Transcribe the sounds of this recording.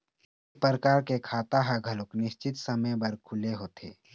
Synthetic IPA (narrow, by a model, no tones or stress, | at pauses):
pɾəkaːɾkekʰaːt̪aɦaɡʱəlʊknɪʃt͡ʃɪt̪səməjbəɾkʰʊleɦoːt̪ʰḛː